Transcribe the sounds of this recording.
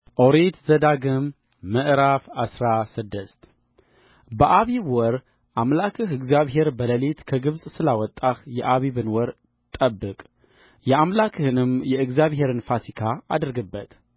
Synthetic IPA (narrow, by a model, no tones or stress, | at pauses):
ʔoɾet̪zəd̪aɡɨmː | əʔɾafasɾasɨd̪ːɨst̪ | bəʔaβiβwɔɾ | ʔamlakʰɨɦɨɡzjaβɦe̞ɾbələlet̪kʰəɡɨβsʼsɨlawɔt̪ʼːahjɛʔaβiβɨnwɔɾ | t̪ʼəbːɨkʼ | jɛamlakʰɨhɨnɨmjɛɨɡzjaβhe̞ɾɨnfasikʰaa̰d̪ɾɡɨbːət̪